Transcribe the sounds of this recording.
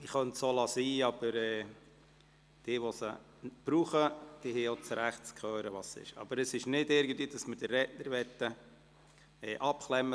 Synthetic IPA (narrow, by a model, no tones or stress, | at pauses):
ɪχœnt̪solɑsiːɑb̥əɾɛː | d̥ɪːʋosə | b̥ɾuːχəd̥iheot͡sɾæχt̚t͡skχøːɾəʋɑsɪ̰ʃɑ̰b̥əɾəsɪʃnɪdɪɾɡən̩t̪viːd̥ɑsmədərːɛtnəɾʋɛt̪ːə | ɛːʔɑpklɛmːə